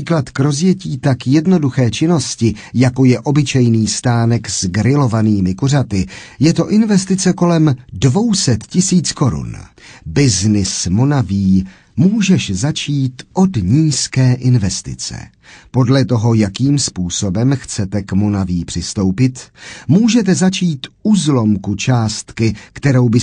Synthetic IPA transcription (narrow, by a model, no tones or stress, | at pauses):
iːklat̪kɾo̞zjɛciːt̪akjɛdno̞duxɛːt͡ʃɪno̞scɪ | jako̞jɛʔo̞bɪt͡ʃɛjniːst̪aːnɛkzɡɾɪlo̞vaniːmɪkorat̪ɪjɛt̪o̞ʔɪnvɛst̪ɪt͡sɛko̞lɛmdvo̞wsɛt̪cɪsiːt͡sko̞ɾṵnbɪznɪsmonaviː | muːʒɛʃzat͡ʃiːt̪ʔo̞dɲiːskɛːʔɪnvɛst̪ɪ̰t͡sɛ̰ | po̞dlɛt̪o̞ɦo̞jakiːmspuːso̞bɛmxt͡sɛt̪ɛkmonaviːpr̝̥ɪst̪o̞wpɪt̪muːʒɛt̪̬ɛzat͡ʃiːt̪uzlo̞mkut͡ʃaːst̪kɪkt̪ɛɾo̞wbɪ